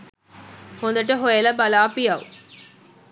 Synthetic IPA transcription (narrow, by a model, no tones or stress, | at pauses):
hond̪ɐʈɐɦojɐlɐbɐlaːpijɐʋ